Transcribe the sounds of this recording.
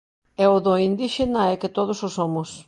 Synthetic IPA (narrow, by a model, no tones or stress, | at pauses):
ɛoðoind̪iʃenaɛket̪oð̞ʊsosomʊs